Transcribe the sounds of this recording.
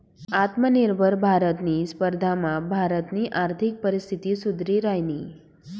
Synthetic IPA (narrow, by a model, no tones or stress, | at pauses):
at̪məniɾbʱəɾbʱaɾət̪nispəɾd̪ʱamãbʱaɾət̪niʔaɾt̪ʰik̚pəɾist̪ʰit̪isud̪ɾiɾaɦjni